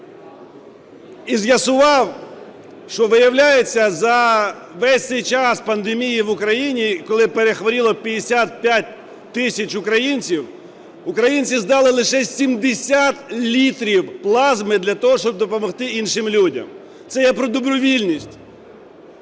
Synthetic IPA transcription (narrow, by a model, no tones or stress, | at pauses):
izjɐsʊʋɑw | ʃt͡ʃɔʋɪjɐwlʲajet͡sʲːɐzɐ | ʋɛsʲt̪ɪjt͡ʃɑspɐnd̪emʲijiʋʊkɾɐjinʲikɔlˠɪpeɾexʋɔɾʲilˠɔpʲidʲɪsʲat̪̚pʲjatʲ | t̪ɪsʲɐt͡ʃʊkɾɐjinʲt͡sʲiw | ʊkɾɐjinʲt͡sʲizd̪ɑlˠɪlˠɪʃɛsʲimd̪esʲat̪lʲit̪ɾʲiwplˠɑzmɪd̪lʲɐt̪ɔɦɔʃt͡ʃɔb̚d̪ɔpɔmɔxt̪ɪinʃɪmlʲudʲɐ̰m | t̪sɛjɛpɾɔd̪ɔbɾɔʋʲilʲnʲisʲtʲ